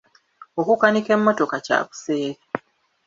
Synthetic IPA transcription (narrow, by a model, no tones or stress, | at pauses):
o̞kukanike̞mːo̞to̞kaca̰βu̥se̞ːɾi